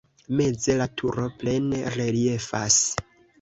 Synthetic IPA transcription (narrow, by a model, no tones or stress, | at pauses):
me̞d͡ze̞latʰuɾo̞ple̞nere̞lie̞fas